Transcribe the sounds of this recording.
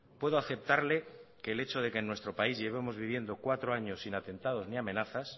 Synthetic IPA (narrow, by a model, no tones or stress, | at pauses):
pwe̞ðoaθe̞p̚t̪aɾle̞keːle̞t͡ʃo̞ð̞e̞ke̞nːwe̞st̪ɾo̞paizʝe̞β̞emo̞zβiβ̞je̞nd̪o̞kwat̪ɾoaɲo̞sːinat̪ẽ̞nt̪að̞o̞zniamẽ̞naθas